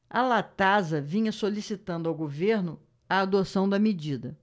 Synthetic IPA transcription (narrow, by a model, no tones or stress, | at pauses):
ɐlat̪azɐvĩɲɐsolisit̪ɐ̃nd̪ʊawɡoveɾnʊ | ɐːd̪osɐ̃w̃d̪ɐmed͡ʒid̪ɐ